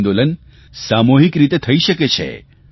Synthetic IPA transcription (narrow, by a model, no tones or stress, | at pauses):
nd̪olən | samoɦikɾit̪et̪ʰəiʃəket͡ʃʰḛ